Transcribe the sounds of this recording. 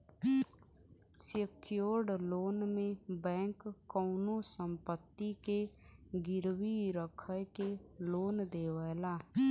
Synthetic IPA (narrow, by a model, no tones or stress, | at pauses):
səkʰjoːɾɖloːnmẽbɛ̃ːŋkːɔʊnosə̃mpət̪ːike | ɡɪɾwiɾəkʰəjkeloːnd̪eːwəːlaː